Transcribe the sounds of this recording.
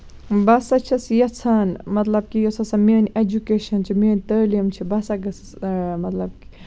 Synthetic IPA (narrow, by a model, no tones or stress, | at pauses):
bɐsɐt͡ʃʰɐsjɐt͡sʰaːnmɐt̪lɐb̚kijosɐsɐmiːned͡ʒukeːʃɐnt͡ʃʰimeːnʲt̪ɐːlimt͡ʃʰibɐsɐɡɐs | mɐt̪lɐb̚ki̥